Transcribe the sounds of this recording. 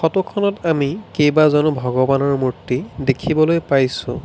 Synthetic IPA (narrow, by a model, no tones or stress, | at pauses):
xɔtukʰɔnɔtamikejbazɔnʊbʱɔɡɔbanɔɹmuɹtːidekʰibɔlojpajsʊ̰̃